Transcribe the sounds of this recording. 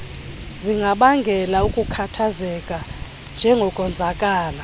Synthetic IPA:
ziŋɡʱaɓaŋɡʱɛlaukʼukʰatʰazɛkʼa | nd͡ʒʱɛŋɡʱɔkʼɔnd͡zʱakʼaːla

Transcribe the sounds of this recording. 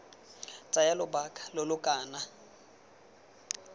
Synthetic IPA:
t͡sʼajalʊbakʰʼḁlʊlʊkʼaːna

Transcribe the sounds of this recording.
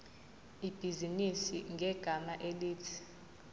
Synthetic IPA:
ib̥ʱizinisiŋɡʱɛɡ̥ʱamaʔeliːtʰi̥

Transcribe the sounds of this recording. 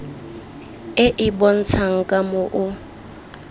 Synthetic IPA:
ɪʔɪbɔn̩t͡sʰaŋ̩kʼamʊʔʊ

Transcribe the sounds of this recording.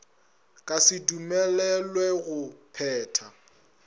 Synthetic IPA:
kʼasɪdumɛlɛlwɛɣʊpʰɛːtʰa

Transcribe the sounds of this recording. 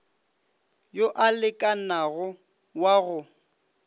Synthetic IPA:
joʔalɪkʼanaɣʊ | waɣʊ

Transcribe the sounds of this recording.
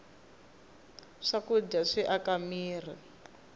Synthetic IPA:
ʂakud͡ʒaʂiʔakamiːr̤ɛ

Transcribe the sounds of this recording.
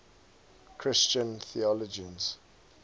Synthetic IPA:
kʰɹɪst͡ʃə̃nθiɔlɔd͡ʒĩnz

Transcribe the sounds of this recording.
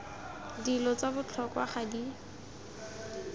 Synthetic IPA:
dilɔt͡sabʊt͡ɬʰɔkwa̰χadi

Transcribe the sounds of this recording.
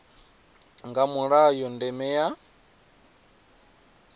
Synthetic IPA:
ŋɡamuɺajɔndɛmɛja

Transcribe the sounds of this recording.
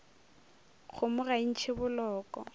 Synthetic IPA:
k͡xʰʊmʊrain̩t͡ʃʰɪbʊlɔːkʼɔ̰

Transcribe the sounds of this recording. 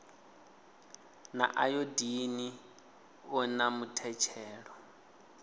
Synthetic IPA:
na̰ʔajodini | ɔnamutʰɛt͡ʃʰɛːɺɔ

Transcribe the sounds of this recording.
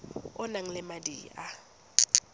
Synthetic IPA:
ʊnaŋ̩lɪmadiːa

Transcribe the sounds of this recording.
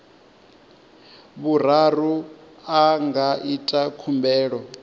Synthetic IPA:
βur̤aru | aŋɡaʔitʼakʰumbʱɛːɺɔ

